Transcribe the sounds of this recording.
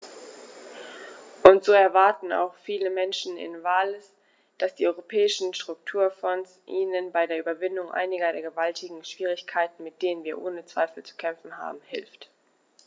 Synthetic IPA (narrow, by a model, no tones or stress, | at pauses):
ʔʊntz̥oːɛɐvaɐtn̩a̰ʊxfiːləmɛnʃn̩ɪ̰nvaːlɪs | d̥asd̥iːʔɔʏʁopʰɛːɪʃn̩ʃtʁ̥ʊk̚tʰuːɐfɔnsʔiːnənbaɪdeːɐʔyːbɐvɪndʊŋʔa̰ɪnɪɡɐdeːɐɡəvaltʰɪɡŋ̩ʃv̥iːʁ̞ɪçkʰaɪtn̩mɪt̚d̥eːnənviːɐʔoːnət͡sv̥a̰ɪfl̩t͡su̥kʰɛmfn̩ɦa̰ːbm̩hɪlft